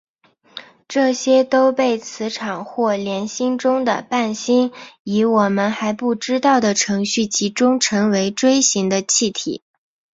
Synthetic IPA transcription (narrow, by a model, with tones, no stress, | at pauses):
ʈ͡ʂɤ˥˩ɕjɛ˥t̪o˥ʊpe˥˩ɪt͡sʰɹ̩˧˥ʈ͡ʂʰɑ˨˩ŋxwɔ˥˩ljɛ˧˥nɕi˥ŋʈ͡ʂʊ˥ŋd̪ə̰˨pa˥˩nɕi˥ni˧˥wɔ˨˩mə˦nxa˧˥ɪpu˥˩ʈ͡ʂɻ̩˥t̪ɑ˥˩ʊd̪ə˩ʈ͡ʂʰɤ˧˥ŋɕy˥˩t͡ɕʰi˧˥ʈ͡ʂʊ˥ŋʈ͡ʂʰɤ˧˥ŋwe˧˥ɪʈ͡ʂwe˥ɪɕi˧˥ŋd̪ə˧t͡ɕʰi˥˩t̪ʰḭ˨˩˦